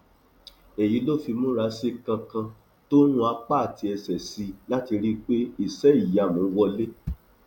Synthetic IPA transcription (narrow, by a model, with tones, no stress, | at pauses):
e˨ji˨˦lo˦˨fi˧mõ˦ɾa˧˦se˦kã˧kã˧ | to˦ñũ˦a˧k͡pa˦a˨tʰi˧˦ɛ˧sɛ˨si˧la˦ti˧ɾi˦k͡pe˦i˦˨sɛ˨˦i˦˨ja˨mũ˨˦wɔ˧le˦